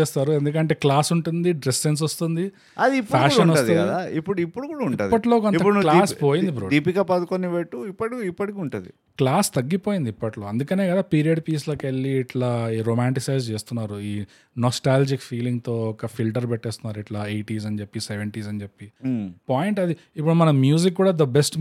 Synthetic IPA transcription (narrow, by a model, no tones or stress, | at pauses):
eːst̪aːɾuend̪ukɐɳʈeːklaːsuɳʈund̪iɖɾesens̬ost̪und̪i | ɐd̪iipːupakːkʂɐnɐasːt̪unɐd̪aipːuɽuipːuɽukuːɽauɳiaːd̪pːɐʈlo̞ːkonɐpːklaːspoːjind̪ipɾoːd̪iːpikapɐd̪ukoniʋeʈːuipːɐʈikipːɐʈikiuɳʈund̪ḭ | klaːst̪ɐɡːipoːjind̪iipːɐʈlo̞ːɐnd̪ukɐne̞ːkɐd̪aːpiːɾijɐɖpiːsloːkeɭːiːʈlaːɾoːmaːɳʈisɐjzt͡ʃe̞ːst̪unːaːɾuiː | nɔsʈaːld͡ʒikfʰiːliŋɡt̪o̞ːɔkɐfʰilʈɐɾpɛʈːeːst̪unːaːɾuiʈlaːejʈiːzɐɲt͡ʃepːiseʋeɳʈiːsɐɲt͡ʃepːipaːjiɳʈɐd̪i | ipːuɽumɐnɐmjuːzikːuːɽaːd̪ɐbesʈ